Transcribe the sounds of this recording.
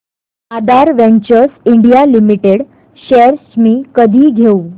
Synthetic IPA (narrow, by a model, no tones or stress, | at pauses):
ad̪aɾʋẽɲt͡ɕəɾsiɳɖijalimiʈeɽ | ɕeɾsmiːkəd̪ʱiːɡʱeu